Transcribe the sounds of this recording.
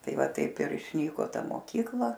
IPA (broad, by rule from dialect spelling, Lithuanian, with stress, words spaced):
ˈtɐɪ ˈʋɐ ˈtɐɪp ɪr ɪʃʲˈnʲiːkoː ˈtɐ moːˈkʲiːklˠɐ